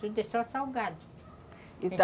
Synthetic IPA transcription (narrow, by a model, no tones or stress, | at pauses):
ud̪esɔsawɡad̪ʊ | i